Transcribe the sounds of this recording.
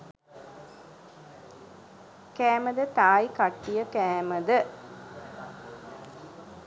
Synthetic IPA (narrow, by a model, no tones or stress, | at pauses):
kæːməd̪ət̪aːikaʈːijəkæːməd̪ə